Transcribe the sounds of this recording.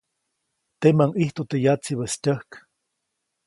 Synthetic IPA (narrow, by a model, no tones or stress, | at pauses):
t̪emaŋʔiht̪ot̪ejat͡siβəst̪ʲəhk